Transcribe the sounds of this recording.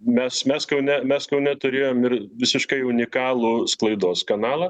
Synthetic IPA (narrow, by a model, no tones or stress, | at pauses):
mʲɛsmʲɛskɐʊnʲɛmʲɛskɐʊnʲɛt̪ʊɾʲeːjoːmɪrʋʲɪsʲɪʃkɐɪʊnʲɪkɑːlˠusklˠɐɪd̪oːskɐnɑːlˠɐː